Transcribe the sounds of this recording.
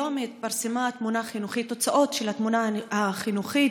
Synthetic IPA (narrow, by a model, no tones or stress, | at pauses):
omeːt̪̚paʁsemat̪munaχinuχit̪ːo̞t͡saʔo̞t̪ʃe̞lat̪munaaχinuχit